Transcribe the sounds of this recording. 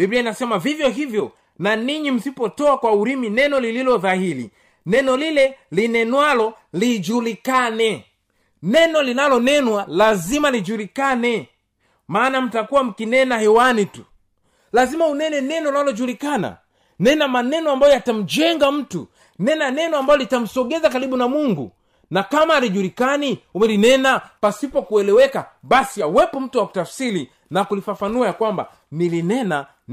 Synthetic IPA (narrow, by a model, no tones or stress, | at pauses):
bibiainasɛmavivjɔɦivjɔ | naniɲim̩sipɔtɔakwauɾiminɛnɔlililɔðahiɾḭ | nɛnɔlilɛlinɛnwalɔlid͡ʒulikanɛ | nɛnɔlinalɔnɛnwalazimalid͡ʒulikanɛ | maːnam̩takuwam̩kinɛnahɛwanitu | lazimaunɛnɛnɛnɔnalɔʄulikana̰ | nɛnamanɛnɔambajɔjatam̩d͡ʒɛŋɡam̩tṵ | nɛnanɛnɔambajɔlitam̩sɔɠɛzakaɾiɓunamuŋɡṵ | nakamaːliʄuɾikaniumɛlinɛnapasipɔkuɛlɛwɛkaɓasiawɛpɔm̩tuwaku̥tafsiɾi | nakulifafanuajakwamba̰ | nilinɛna